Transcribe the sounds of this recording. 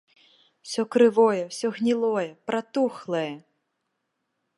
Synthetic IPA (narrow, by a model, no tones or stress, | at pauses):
w̥sʲɔkɾɨvɔjɛwsʲɔɣnʲilˠɔjɛpɾat̪uxlˠɐjɛ